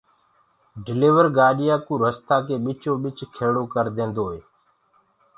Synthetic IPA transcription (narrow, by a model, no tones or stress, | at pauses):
ɖɪleːʋəɾɡaːɗɪjaːkũːɾəst̪aːkeːɓɪt͡ʃõːɓɪt͡ʃkʰeːɽoːkəɾd̪ẽːnd̪oːɦeː